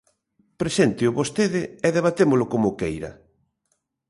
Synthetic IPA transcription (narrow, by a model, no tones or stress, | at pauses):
pɾesent̪ɪʊβost̪eðɪɛðeβ̞at̪emʊlʊkomʊkejɾɐ̰